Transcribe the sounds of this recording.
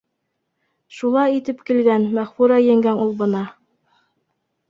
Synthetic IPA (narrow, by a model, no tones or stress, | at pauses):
ʃulˠɑjit̪ɘpkilɡænmæχfuɾɑjɘ̆ŋɡænulˠbɤ̆nɑ